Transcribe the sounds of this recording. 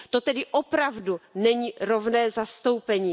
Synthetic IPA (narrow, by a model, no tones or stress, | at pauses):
t̪ot̪ɛdɪʔopɾavdunɛɲiːɾo̞vnɛːzast̪o̞wpɛɲiː